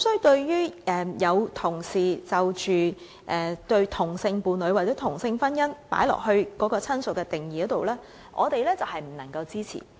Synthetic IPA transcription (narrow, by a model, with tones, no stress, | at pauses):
sɔ˥˨t̪ɵ˧ɥjyː˥ʔɛː˨˧jɐ˨˧wt̪ʰʊ˨˩ŋsiː˨˩t͡sɐ˨wt͡ʃyː˨ | ʔɛː˨t̪ɵ˧ɥt̪ʰʊ˨˩ŋsɪ˧ŋpuː˨˧nlɵ˨˧ɥwa˨˩t͡sɛː˨˦˥t̪ʰʊ˨˩ŋsɪ˧ŋfɐ˥njɐ˥npa̰ː˨˥jlɔ̰ː˨˩k̚hɵ˧ɥkɔː˨˥kɔː˧t͡sʰɐ˥nsʊ˨t̚kːɛː˧t̪ɪ˨˩ŋjiː˨ɔ˨˦˥t̪o˨wlɛː˥ | ʔɔ̰ː˨˧t̪e˨jlɛː˥t͡sɐ˨whɐ˨jm̩˨˩nɐ˨˩ŋkɐ˧wt͡siː˥t͡sʰḭː˨˩